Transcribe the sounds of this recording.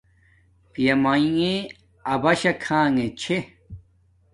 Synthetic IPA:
pjɐmaĩŋe | ɐbɐɕɐkʰãːŋet͡ɕʰe

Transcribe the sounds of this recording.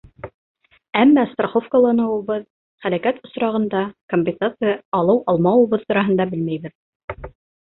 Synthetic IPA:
æmːɑst̪roχofkəlˠɑnɤ̆wɤ̆βɤð | χælækæt̪ŏsɾɑʁɤ̆nd̪ɑkomʲpʲɪnsat̪sɨjaɑlˠɤwʔɑlˠmɑwɤ̆βɤðt̪ŏɾɑɦɤ̆nd̪ɑbɘlmæjβɘð

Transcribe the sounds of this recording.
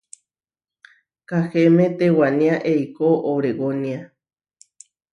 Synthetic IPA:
kahemet̪ewanĩaʔeikoʔowɾeɡonia

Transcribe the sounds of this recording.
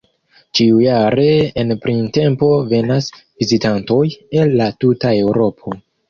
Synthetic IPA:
t͡ʃiujaɾe̞enpɾinte̞mpo̞ve̞nas | vizitanto̞je̞lːatutae̞wɾo̞pʰo̞

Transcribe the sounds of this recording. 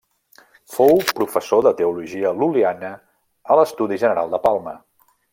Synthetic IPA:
fowpɾufəsoðət̪əuluʒiəlulianə | ələst̪uðiʒənəɾa̰lˠd̪əpalˠmə̰

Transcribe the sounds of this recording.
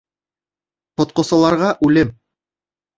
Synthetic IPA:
qŏt̪̚qɤ̆sɑ̆lˠɑɾʁɑʔʉlɘm

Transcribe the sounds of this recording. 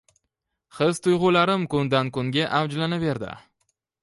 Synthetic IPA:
χɪzt̪ʰʊjʁʊlaɾɪmkʊnd̪ankʊŋɡʲaʔavd͡ʒlanave̞ɾd̪ɪ̰

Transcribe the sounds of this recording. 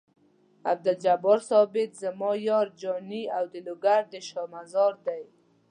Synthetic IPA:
a̰b̚d̪ald͡ʒabɔɾsɔbɪt̪zəmɔjɔɾd͡ʒɔniawd̪ɪlʊɡaɾd̪əʃɔmazɔɾd̪aj

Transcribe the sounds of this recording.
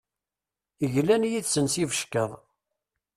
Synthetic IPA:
əʝlænjiðsənsivəʃkəðˤ

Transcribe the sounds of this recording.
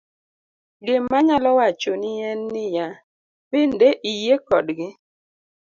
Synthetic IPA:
ɡɪmːaɲalɔwat͡ʃonɪɛnːɪja | pɪndeʔijekɔdɡɪ

